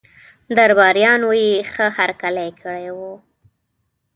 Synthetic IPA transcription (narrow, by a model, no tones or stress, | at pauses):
d̪aɾbɑɾjɑnwojexəhaɾkalajkʰəɽajwu